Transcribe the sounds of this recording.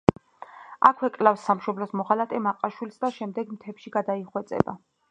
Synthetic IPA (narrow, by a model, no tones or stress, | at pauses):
akʰwɛkʼlafsːamʃɔblɔsmɔχalat̪ʰʼɛmaqʼaʃwilsd̪aʃɛmd̪ɛɡmt̪ʰɛpʃiɡad̪aiχwɛt̪sʼɛ̰ba̰